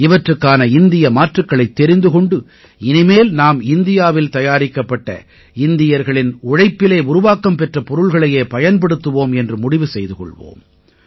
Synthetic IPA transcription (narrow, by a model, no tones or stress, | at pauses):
ɪʋɐʈrɯkːaːnɐɪnd̪ɪjɐmaːʈrɯkːɐɭɐɪt̪ːɛɾɪnd̪ɯkɔɳɖɯ | ɪnɪmeːlnaːmɪnd̪ɪjaːʋɪlt̪ɐjaːɾɪkːɐpːɐʈːɐ̰ | ɪnd̪ɪjɐɾɣɐɭɪnʊɻɐɪpːɪleːʊɾʊʋaːkɐmpɛʈrɐpɔɾɯɭɣɐɭɐjeːpɐjɐnpɐɽɯt̪ːɯʋoːmɛndrɯmʊɽɪʋɯsɛjðɯkɔ̰ɭʋo̰ːm